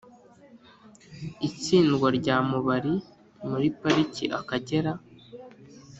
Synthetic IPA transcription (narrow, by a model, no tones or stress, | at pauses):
it͡siːnɡwoɾɟaːmuβaɾi | muɾipaɾicḭʔakaɟe̞ɾa